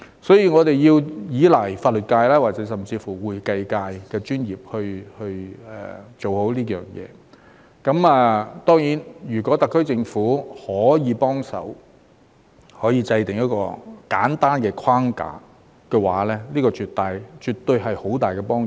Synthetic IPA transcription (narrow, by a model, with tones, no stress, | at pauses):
sɔː˨˥jiː˧ŋɔː˨˧t̪e˨˩jjiː˧wjiː˨˧˥lɐ˨˩jfaː˧t̚lɵ˨t̚kaː˧jlaː˥waː˨t̚t͡sɛː˨˥sɐ˨˩mt͡siː˧fuː˨˩wuː˨jkɐ˧jkaː˧jkɛː˧t͡ʃyː˥njiː˨˩p̚hɵ˧ɥhɵ˧ɥɛ̰ː˨˩t͡so˨who˨˥wliː˥jœː˨˩ŋjɛ̰ː˨˧ | kɐ˨˥mɛː˨˧t̪ɔː˥ŋjiː˨˥njyː˨˩kʷɔː˨˥t̪ɐ˨kʰːɵ˥ɥt͡sɪ˧ŋfuː˨˥hɔː˨˥jiː˨˧pɔː˥ŋsɐ̰˨˥w | hɔː˨˥jiː˨˧t͡sɐ˧jt̪ɪ˨˩ŋjɐ˥t̚kɔ̰ː˧kaː˨˥nt̪aː˥nkɛː˧kʰaː˥ŋka̰ː˧˩ | kɛː˧waː˨˥lɛː˥liː˥kɔː˧t͡ʃyː˨t̪ːaː˨jt͡ʃyː˨˩t̪ːɵ˧ɥɦɐ˨jho˨˥wt̪aː˨jkɛː˧pɔː˥ŋ